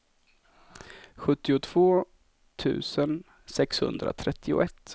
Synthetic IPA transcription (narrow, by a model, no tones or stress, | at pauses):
ɧɵt̪ːɪʊt̪ʰv̥oː | t̪ʰʉ̟̰ːsən | sɛkshɵ̰nd̪ɾa̰t̪ʰɾɛt̪ʰːɪʊ̰ʔɛt̪ː